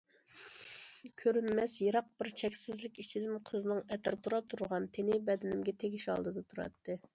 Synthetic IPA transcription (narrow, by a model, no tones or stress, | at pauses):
kʲʰøɾynmɛsjɑɾɑq̚bɪɾt͡ʃʰɛkʲsɪzlɪkʲit͡ʃʰid̪ɪnqʰəznɨŋɛt̪ʰæɾt̪ʰuɾɑp̚t̪ʰuɾʁɑnt̪ʰenɪbɛd̪ɪnɪmɡʲɛt̪ʰeɡʲiʃɑ̰lˠd̪ɨd̪ɑt̪ʰuɾɑ̰t̪ʰːɨ